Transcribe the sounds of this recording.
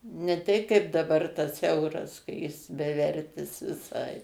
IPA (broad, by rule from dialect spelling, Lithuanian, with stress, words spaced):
nʲɛ ˈtʲɛɪ kɐɪp dɐˈbɐr tɐs ˈɛʊrɐs kɐ ˈjɪs bʲɛˈʋʲɛrʲtʲɪs ʋʲɪˈsɐɪ